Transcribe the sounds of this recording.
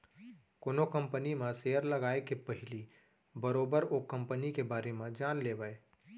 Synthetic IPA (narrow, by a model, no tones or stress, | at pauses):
koːnokɐ̃mpənimãseːəɾlɐɡaːekepəɦɪli | bəɾoːbəɾoːkːɐ̃mpənikebaːɾemãd͡ʒaːnleːbaeː